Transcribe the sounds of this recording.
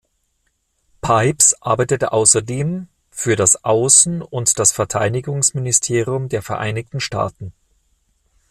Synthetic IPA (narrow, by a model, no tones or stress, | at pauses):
pʰaɪpsʔa̰ɐbaɪtətəʔaʊsɐdeːm | fyːɐɾasʔaʊsn̩ʊntd̥asfɛɐtʰaɪdɪɡʊŋsmɪnɪstʰeːʁjʊmdeːɐfɛɐʔa̰ɪnɪçtn̩ʃta̰ːtn̩